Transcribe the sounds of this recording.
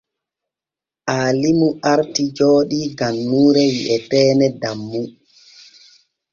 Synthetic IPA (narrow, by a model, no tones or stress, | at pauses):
ʔaːlimuʔaɾtid͡ʒoːɗiɡanːuːɾɛjiʔɛtɛːnɛdamːu